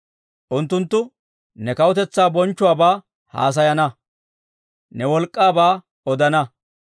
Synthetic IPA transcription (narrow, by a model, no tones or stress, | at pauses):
ʔʊnt̪ːʊnt̪ːʊ | nɛkɐwʊt̪ɛt͡sːaːbɔnt͡ʃːʊwaːbaː | ha̰ːs̬ɐjɐnɐ | nɛwɔlkʼːaːbaː | ɔd̪ɐnɐ